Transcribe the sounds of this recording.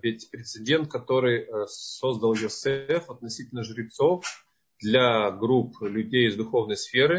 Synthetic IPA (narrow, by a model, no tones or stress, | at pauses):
vʲɪtʲpɾʲɪt̪sɪdʲe̞nt̪̚kɐt̪o̞ɾɨjso̞zd̪əlˠjosɛfɐt̪̚nɐsʲitʲɪlʲnəʐɨɾʲɪt̪so̞f | d̪lʲaɡɾuplʲʉdʲejɪzd̪ʊxo̞vnəjsfʲe̞ɾɨ